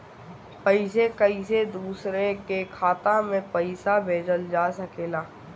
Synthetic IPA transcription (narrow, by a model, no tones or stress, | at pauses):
pəɪsekɐised̪uːsɾekekʰaːt̪ãmẽpəɪsabʱeːd͡ʒəld͡ʒaːsɐkeːlaː